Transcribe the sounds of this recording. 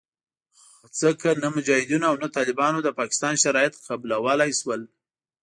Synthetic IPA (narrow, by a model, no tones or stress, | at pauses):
x | at͡səkanamʊd͡ʒɑhɪd̪unaːwnat̪ɑlɪbɑnod̪əpɑkɪ̥st̪ɑnʃaɾɑjat̪qabulawəlajswəl